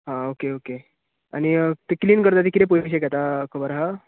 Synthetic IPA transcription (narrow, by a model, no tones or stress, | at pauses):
ɦãokeoke | a̰ñit̪ekliːnkəɾt̪at̪ikit̪ẽpoʋiɕekɛt̪akʰəbəɾɦa